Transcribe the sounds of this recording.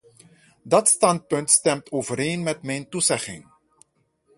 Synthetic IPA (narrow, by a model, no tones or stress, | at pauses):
dɑtstɑnt̚pɵntstɛmtoːvəɾeːnmɛtmɛjntuzɛχɪ̰ŋ